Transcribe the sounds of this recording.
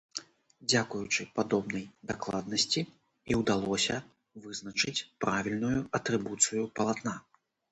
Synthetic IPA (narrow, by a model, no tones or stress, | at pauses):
d͡zʲakujut͡ʂɨpad̪ɔbnɐjd̪aklˠad̪̚nɐsʲt͡sʲi | iwd̪alˠɔsʲɐ | vɨznɐt͡ʂɨt͡sʲpɾavʲilʲnujuɐt̪ɾɨbut̪sɨjupɐlˠat̪na